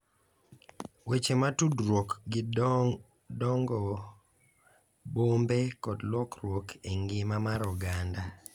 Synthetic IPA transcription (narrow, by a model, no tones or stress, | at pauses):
wet͡ʃematudɾwokɡɪ | dɔŋɡɔ | bombekɔdlwɔkɾwokʰeŋɡɪmamaɾɔɡanda